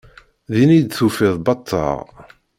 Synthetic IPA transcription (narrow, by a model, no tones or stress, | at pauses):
ðinid̪θufɪðˤbɑt̪ˤʰːɑ̰ʁ